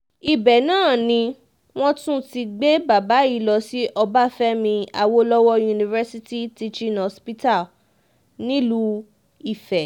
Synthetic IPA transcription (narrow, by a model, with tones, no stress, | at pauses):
i˨bɛ˨nãː˦˨nĩ˧ | w̃ɔ̃˦tũ˦ti˧ɡ͡be˦ba˨ba˨˦i˦˧˦lɔ˧si˦ʔɔ˧ba˦fɛ˦mĩ˧a̰˨wo˧lɔ˦wɔ˧ju˧nĩ˧vɛ˦si˧˦ti˦ti˧t͡ʃĩ˦nɔ˧spi˦ta˦˨ | nĩ˦lu˦ | i˨fɛ˨